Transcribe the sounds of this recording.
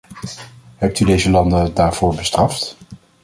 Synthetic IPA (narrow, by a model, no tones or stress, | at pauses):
ɦɛp̚tydejzəlɑndədaːɹv̥ʊːɹbəstrɑft